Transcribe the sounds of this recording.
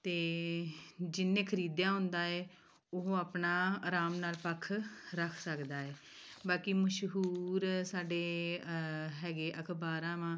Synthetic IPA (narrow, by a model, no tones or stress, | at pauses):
t̪eː | d͡ʒɪnːẽːkʰəɾiːd̪jãːɦʊ̃nd̪aːɛː | ʊɦoːaːpnaːɾaːmnaːlpəkʰɾəkʰsəkd̪aːeː | baːkiməʃɦuːɾsaːɖeː | ɦɛːɡeːʔəkʰbaːɾãːʋãː